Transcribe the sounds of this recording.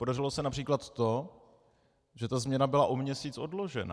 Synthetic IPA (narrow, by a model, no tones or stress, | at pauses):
podarɪlo̞sɛnapr̥iːklat̪ːo | ʒɛt̪azmɲɛnabɪlaʔomɲɛsiːt͡sʔo̞dlo̞ʒɛ̰na̰